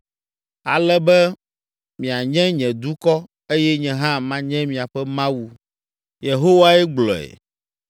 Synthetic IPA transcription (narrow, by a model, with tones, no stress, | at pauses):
a˨lɛ˦bɛ˦ | mĩ˨a˨ɲɛ̃˦ɲɛ̃˨d̪u˦kɔ˦ | e˦jɛ˦ɲɛ̃˦ɦã˦mã˦ɲɛ̃˦mĩ˨a˨ɸɛ˦mã˦wu˦ | je˨ɦo˦wa˦ɛ˦ɡ͡blɔ˨ɛ̰˨